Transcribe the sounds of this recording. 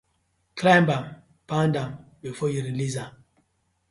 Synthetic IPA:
kʰlambam | pãndãmbifɔjiɾiliza

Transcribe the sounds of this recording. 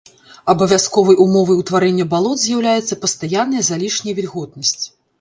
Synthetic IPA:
ɐbɐvʲaskɔvɐjʔumɔvɐjwt̪vaɾɛnʲːɐbalˠɔd̪zʲjawlʲajɛt̪sːɐpɐst̪ajanːɐjɐzalʲiʂnʲɐjvʲilʲɣɔd̪̚nɐsʲt͡sʲ

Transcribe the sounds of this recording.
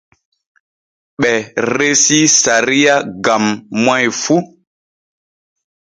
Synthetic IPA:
ɓɛɾesisaɾijaɡamːwajfu

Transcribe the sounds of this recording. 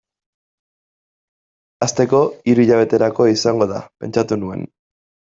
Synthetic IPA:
ast̪e̞ko̞iɾuiʎaβ̞e̞t̪e̞ɾako̞isaŋɡo̞ð̞a̰pe̞̰nt͡ʃat̪unue̞̰n

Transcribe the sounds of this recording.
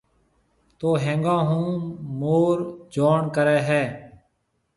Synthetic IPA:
t̪oːɦẽːŋɡãːɦũːmoːɾd͡ʒoːɳkəɾɛːɦɛː

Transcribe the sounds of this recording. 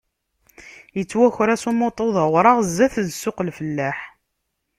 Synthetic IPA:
jət͡sːwæçɾæsumot̪ˤoðˤəwɾˤɑʁzːæθzsːʊqəlfəlːæħ

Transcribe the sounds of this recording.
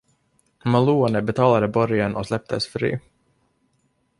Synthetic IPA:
maluːanəbɛt̪ʰɑːlad̪əbɔɾjənʔɔslɛp̚t̪ʰəsfɾḭː

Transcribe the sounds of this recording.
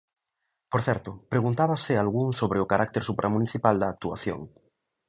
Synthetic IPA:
poɾθɛɾt̪ʊpɾeɣ̞unt̪aβasɪalɣuŋsoβɾeʊkaɾʔak̚t̪eɾsupɾʔamũniθipald̪aːk̚t̪ua̰θjo̰ŋ

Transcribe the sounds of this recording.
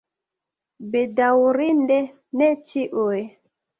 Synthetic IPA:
bedawuɾindɛ | nɛt͡ʃiʔoɛ

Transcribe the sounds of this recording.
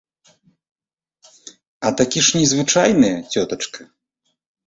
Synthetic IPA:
ɐt̪akʲiʂnʲɛzvɨt͡ʂajnɨjɐt͡sʲɔt̪ɐt͡ʂkɐ

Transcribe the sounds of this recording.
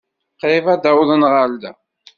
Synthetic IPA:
qɾɪfæd̪awðˤənʁald̪æ

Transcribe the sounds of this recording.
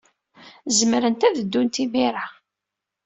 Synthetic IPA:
zəmɾənt̪æðəd̪ːunt̪imiɾa

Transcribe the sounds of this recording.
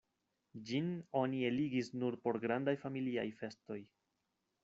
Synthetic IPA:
d͡ʒino̞nie̞liɡisnuɾpo̞ɾɡɾandajfamilia̰jfe̞sto̞j

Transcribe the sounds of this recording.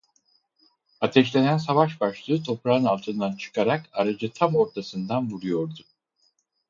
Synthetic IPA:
at̪ʰɛʃlʲenænsavaʃbaʃlˠɯːt̪ʰo̞pɾaɯnalˠt̪ʰɯnd̪ant͡ʃʰɯ̥kʰaɾakaɾad͡ʒɯt̪ʰamo̞ɾt̪ʰasɯnd̪anvuɾujo̞ɾd̪u

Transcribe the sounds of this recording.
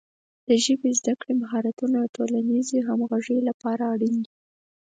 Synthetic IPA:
d̪̥əʒəbezd̪akɽemaɦɑɾat̪unaʈolanizeɦamɣaʒəjlapɑɾaːɽind̪i

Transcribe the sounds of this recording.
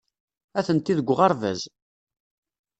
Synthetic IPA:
æθənt̪iðəɡʷːʁɑɾˤvæ̰z

